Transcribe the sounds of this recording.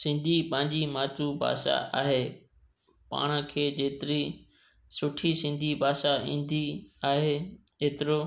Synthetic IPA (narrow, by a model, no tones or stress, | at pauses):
sɪ̃nd̪ʱiːpãːɲd͡ʑiːmaːt͡ʃubʱa̰ːʃa̰a̰ːɦeː | pa̰ːɽ̃kʰeːd͡ʑeːt̪ɪɾiː | sʊʈʰisɪ̃nd̪ʱibʱaːʃaḭ̃ːnd̪ʱiaːɦeː | eːt̪ɪɾoː